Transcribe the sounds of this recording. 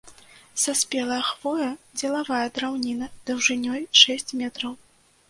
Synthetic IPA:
sasʲpʲɛlˠɐjɐxv̥ɔjɐd͡zʲɛlˠavajɐd̪ɾawnʲinɐd̪̥ɐwʐɨnʲɔjʂɛsʲt͡sʲmʲɛt̪ɾɐw

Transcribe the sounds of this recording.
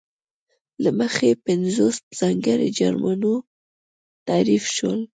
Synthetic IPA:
laməxepɪnzospz̥ɑŋɡəɾḛd͡ʒaɾmano | t̪aɾifʃwəl

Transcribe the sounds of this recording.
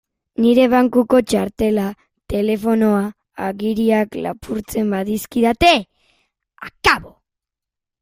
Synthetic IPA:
niɾe̞β̞aŋkuko̞t͡ʃaɾt̪e̞la | t̪e̞le̞fo̞no̞aː | ɣiɾiakla̰pʰuɾt͡se̞mbaðiskiðat̪e̞ | akaβo

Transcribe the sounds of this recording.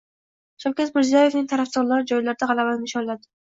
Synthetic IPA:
solkʲazmɪɾzijaje̞vnɪŋt̪ʰaɾafd̪ɒɾlaɾɪd͡ʒɒjlaɾd̪aʁɑlˠabanmɪʃɒnlad̪ɪ̥

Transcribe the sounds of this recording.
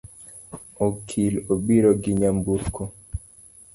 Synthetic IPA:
okʰiloɓiɾɔɡiɲambuɾkʰo

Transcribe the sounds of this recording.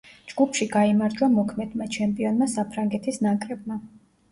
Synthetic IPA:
d͡ʒɡupʰʃiɡaimaɾd͡ʒwamɔkʰmɛd̪̥mat͡ʃʰɛmpʼiɔnmasapʰɾaŋɡɛt̪ʰisnakʼɾɛb̚ma

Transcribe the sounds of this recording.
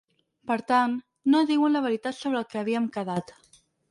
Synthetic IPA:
pəɾt̪anː | oðiwənləβəɾit̪at̪soβɾəlˠkeaβiəmkəðat̪

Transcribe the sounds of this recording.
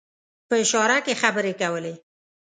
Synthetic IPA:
pəɪʃɑɾakexabəɾekawəle

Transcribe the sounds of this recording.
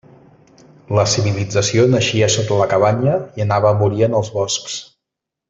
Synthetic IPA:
ləsiβilid͡zəsionəʃiəsot̪ələkəβ̞aɲəiənaβəmuɾiənəlˠzβɔsks

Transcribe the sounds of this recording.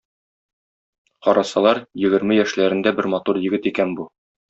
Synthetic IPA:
qɒɾɑsɑlˠɑɾjɘ̆ɡɘ̆ɾmɘjæʃlæɾɘ̆nd̪æbɘɾmɑt̪uɾjɘ̆ɡɘt̪ikænbu

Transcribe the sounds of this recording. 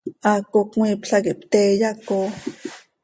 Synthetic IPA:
akokŋwipɬakipt̪ɛjako

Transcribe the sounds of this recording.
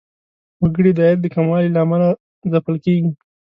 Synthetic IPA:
waɡəɽid̪ɑjaɾ̚d̪əkamɑlilaːmala | zapəlkeɡi

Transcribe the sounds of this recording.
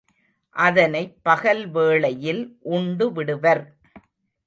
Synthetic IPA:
ʔɐðɐnɐɪpːɐɣɐlʋeːɭɐjɪlʔʊɳɖɯʋɪɽɯʋɐɾ

